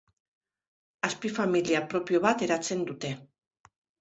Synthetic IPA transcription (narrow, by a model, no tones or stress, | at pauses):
aspifamiliapɾo̞pio̞βat̪e̞ɾat͡se̞nd̪ut̪e̞